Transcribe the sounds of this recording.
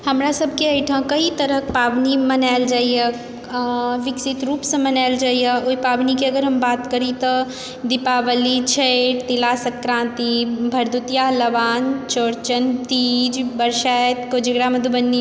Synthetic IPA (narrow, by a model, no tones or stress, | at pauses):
həmɾasəb̚ʱkeəjʈʰə̃kəit̪əɾəɦpaːʋnimənaɪld͡ʒaːijə | ʋɪksɪt̪ɾuːpsə̃mənaɪld͡ʒaːijəoːipaːʋnikeəɡəɾɦɐmbaːt̪kəɾit̪ɔ | d̪ɪpaːʋəlit͡ʃʰeeʈt̪ilasəkɾãːnt̪ibʱəɾd̪ut̪ijaləʋaːnt͡ʃoːɾt͡ʃənt̪iːd͡ʒbəɾʃajt̪kod͡ʒəɡɽamɐd̪ʱubənːi